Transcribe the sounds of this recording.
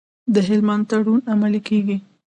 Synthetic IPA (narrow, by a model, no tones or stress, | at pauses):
d̪əɦɪlmand̪t̪aɽunamalikeɡi